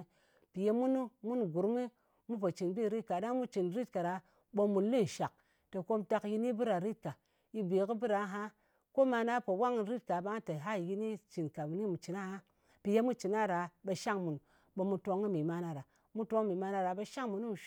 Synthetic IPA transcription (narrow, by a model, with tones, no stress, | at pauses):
pi˨je˧mu˦nu˦mu˦nɡu˨ɾmi˦ | mu˦p̬o˨t͡ʃi˨nbi˦˨ɾi˦t̚ka˨da˦ŋmu˦t͡ʃi˨nɾi˦t̚ka˨ɾa˨ | bo˧mu˨lːi˦˨ʃa˨k̚ | to˨ko˧mta˧kji˧ni˦bɨ˦ɾa˨ɾi˦t̚ka˨ | i˧be˨ki˦bi˦ɾa˨˦ɦa˦ | ko˦ma˧na˦po˨wa˦ŋ˨ɾi˦t̚ka˨ba˦ŋ˦ta˨ɦa˦˨ji˧ni˦t͡ʃi˨nka˨bu˨ni˦mu˨t͡ʃi˨na˦ha˦ | pi˨je˦mu˦t͡ʃi˨na˦ɾa˨be˧ʃa˦ŋmu˨n | ɓo˧mu˧to˧ŋi˦mi˨ma˦na˨ɾa˨ | mu˦to˧˦ŋ˦mi˨ma˧na˧ɾa˨be˧ʃa˦ŋmu˨nu˦m˨ʃ